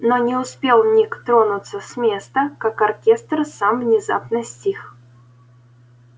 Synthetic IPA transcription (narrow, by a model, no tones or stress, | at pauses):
nonʲɪʊspʲelˠnʲikt̪ɾonʊt̪səsʲmʲe̞st̪əkakɐrkʲest̪rsamvnʲɪza̰pnɨsʲtʲix